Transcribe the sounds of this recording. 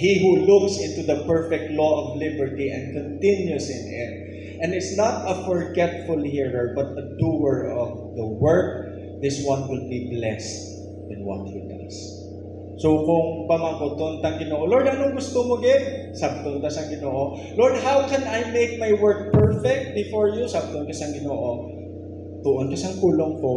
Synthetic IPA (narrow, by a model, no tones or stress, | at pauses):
hiɦulʊksɪ̃nt̪ud̪ɐpɛɹfɛk̚t̪lɔʔɔvlɪbɛɹt̪iʔɛ̰̃nd̪̚kɔ̃nt̪ɪ̃njʊsɪ̰̃nɪt̪̚ | ʔɛ̃nɪt̪snɐt̪ɐfɔɹɡɛt̪fʊlhiɹəɹbɐt̪̚ɐd̪uɛɹɔvd̪ɐwɛɹk̚ | ðɪswɐ̃nwɪl̚biblɛst̪ | d̪ɐ̃nwɔ̰t̪̚hud̪ɐ̰sː | owkʊŋbɐmakot̪ʊʔont̪ɐŋɡɪnoːʔolɔɹd̪ɐnoŋɡʊst̪omoɡɪn | sab̚t̪oŋd̪asɐŋɡɪnoːʔo | loɹd̪ɦawkɛnajmejk̚majwɛɹk̚pɛɹfɛk̚t̪̚bɪfoɹjusab̚t̪oʔnkɐsɐŋɡɪnoːʔo | t̪ʊʔonkɐsɐŋpuːloŋko